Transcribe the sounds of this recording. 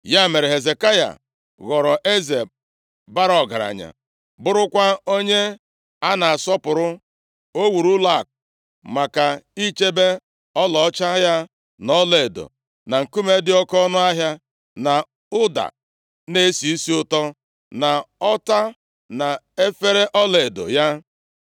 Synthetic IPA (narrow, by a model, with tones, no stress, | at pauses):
ja˦˨me˨ɾe˨ɦe˨ze˨ka˦ja̰˨ | ɣɔ˨ɾɔ˨ʔe˦ze˨ | ba˦ɾɔ˨ɡa˨ɾa̰˨ɲa̰˨ | bʊ˦ɾʊ˦kʷa˦o˦ɲe˦ | a˦na˨a˨sɔ˦pʊ˨ɾʊ˦ | o˦wu˨ɾu˦la˦˨k̚ | ma˨ka˨i˦t͡ʃe˦be˦ | ɔ˦lɔ˨˦t͡ʃa˦ja˦ | nɔ˦le˨e˨do̰˨ | na˨ŋ̩˨ku˦me˦dɪ˦ɔ˦kɔ˦nʊ˦a˦ɦja˦ | na˨ | ʊ˦da̰˨ | ne˦si˨i˦si˦ʊ˦tɔ˦ | na˨ɔ˦ta˦ | na˨ | e˦fe˦ɾe˦ʔɔ˦le˨do̰˨ja˦